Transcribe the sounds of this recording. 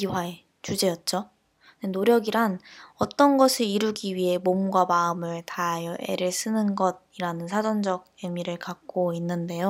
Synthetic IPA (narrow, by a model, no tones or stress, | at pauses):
iwae | t͡ɕud͡ʑe̞jʌt̚t͡ɕ͈o | nenoɾjʌɡiɾanʌt͈ʌnɡʌsʰɯɾiɾuɡiɥiɦe̞momɡwamaɯmɯɭtajʌʔe̞̰ɾɯɭs͈ʰɯnɯnɡʌd̚iɾanɯnsʰad͡ʑʌnd͡ʑʌɡ̚jemiɾɯɭkak̚k͈oinːɯnde̞jo